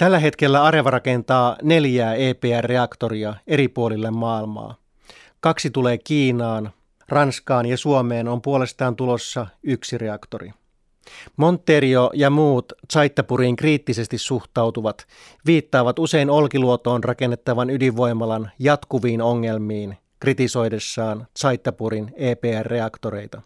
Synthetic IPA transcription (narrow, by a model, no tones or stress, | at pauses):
t̪ælːæɦe̞t̪k̟e̞lːæɑɾe̞ʋɑɾɑke̞nt̪ɑːne̞ljæːe̞ːpeːærːe̞ɑkt̪o̞ɾiɑe̞ɾipuo̞lilːemːɑːilmɑ̰ː | kɑksit̪ule̞ːkiːnɑːn | rɑnskɑːnjɑsuo̞me̞ːno̞mpuo̞le̞st̪ɑːnt̪ulo̞sːɑyksire̞ɑkt̪o̞ɾḭ | mo̞nt̪ːe̞ɾio̞jɑmuːt̪sɑjt̪ːɑpuɾiːŋkriːt̪ːise̞st̪isuxt̪ɑwt̪uʋɑt̪ | ʋiːt̪ːɑːʋɑt̪use̞jno̞lkiluot̪o̞ːnrʔɑke̞nːe̞t̪ːɑʋɑnydiʋʋo̞jmːɑlɑnjɑt̪kuʋiːno̞ŋːe̞lmiːn | krit̪iso̞jde̞sːɑːnt̪sɑjt̪ːɑpuɾine̞ːpeːærːe̞ɑkt̪o̞ɾe̞jt̪ɑ